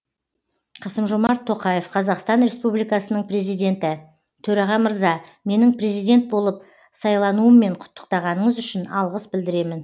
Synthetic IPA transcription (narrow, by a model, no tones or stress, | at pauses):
qʰɑsəmʒomɑɾt̪ʰːo̞qɑje̞fqʰɑzɑqst̪ɑnɾe̞spublijkɑsənəɴpre̞zijd̪ʲe̞nt̪ɪ | t̪ʰɵɾɑʁɑməɾzɑme̞nɪŋpre̞zijd̪ʲe̞nt̪̚bo̞lˠəp̚ | sɑjlˠɑnuəmːe̞ɴqʰʊ̥t̪ːə̥q̚t̪ɑʁɑnəɴəzʏʃɪnɑlˠʁəsbɪld̪ɪɾe̞mɪn